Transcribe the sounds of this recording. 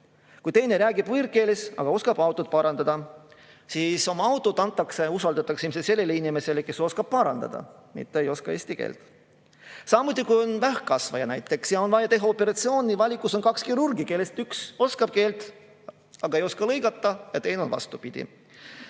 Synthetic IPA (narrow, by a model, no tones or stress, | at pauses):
kujt̪e̞jne̞ɾæːɡib̥vɯrke̞ːlesɑ̰ɡ̥ɑo̞skɑb̥ɑwt̪ːˑot̪̚pɑɾɑnd̪̥ɑd̪̥ɑ | siːso̞mɑɑwt̪ːˑod̪ɑnt̪ˑːɑkse̞usɑld̪ɑt̪ːˑɑksimsese̞lːelːeinime̞se̞leke̞so̞skɑb̥̚pɑɾɑnd̪̥ɑ̰d̪ɑ̰mḭt̪ːˑeejo̞skɑe̞ːsʲt̪ikḛːlt̪ | sɑmut̪̬ʲːˑikujo̞nvæhkɑsvɑ̰jɑ̰næjt̪ˑːe̞ksjɑo̞nvɑjɑt̪e̞ɦɑopːe̞ɾɑt̪sio̞ːnʲivɑlʲikːˑuso̞nkɑkskiɾurɡike̞lːest̪ykso̞skɑb̥̚ke̞ːlt̪ | ɑɡ̥ɑe̞jo̞skɑlɤjɡɑt̪ˑːɑjɑ̰t̪e̞jneo̞nvɑ̰st̪upid̪̥ḭ